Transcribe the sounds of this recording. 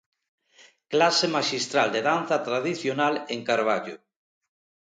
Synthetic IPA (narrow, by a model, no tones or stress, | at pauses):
klasemaʃist̪ɾald̪eðan̟θat̪ɾaðiθjonaleŋkaɾβ̞aʎo̰